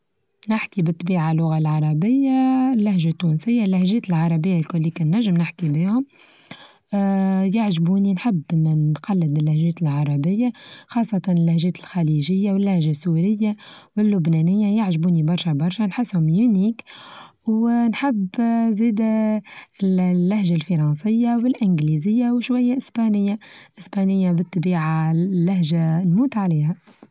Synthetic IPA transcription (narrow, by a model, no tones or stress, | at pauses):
nɪħkibɪt̪ˤːbiːʕalːʊɣalʕɑɾˤɑbɪjːalːæhʒat̪ːuːnsɪjːalːæhʒɛːt̪ɪlʕɑɾˤɑbɪjːalkʊlːiːkɪnːæʒːɪmnɪħkibiːhʊm | jaʕʒbuːninħɪbːɪnːqɑlːɪd̪ɪlːæhʒɛːt̪ɪlʕɑɾˤɑbɪjːaxɑːsˤːɑt̪ɑnɪlːæhʒɛːt̪ɪlxæliʒɪjːawɪlːæhʒasuːɾɪjːawɪlːʊbnɛːnɪjːajaʕʒbuːnibɑɾˤʃabɑɾˤʃanħɪsːhʊmjuniːk | wnħɪbːziːd̪ | lːahʒalfɑɾˤɑnsˤɪjːawɪlʔɪnɡliːzɪjːawʃwajːaʔɪspanɪjːaʔɪsbanɪjːabɪt̪ˤːɑbiːʕalːæɦʒanmuːt̪ʕaliːha